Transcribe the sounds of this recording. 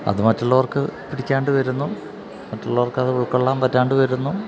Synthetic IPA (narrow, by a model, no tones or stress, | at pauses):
ɐ̰ðɨmɐtːɐɭːɐʋɐrkɨpiɽikʲːaːɳɖɨʋɐɾunːu | mɐtːuɭːɐʋɐrkɐðɨuɭkːoɭːaːmpɐtːaːɳɖɨʋɐɾunːu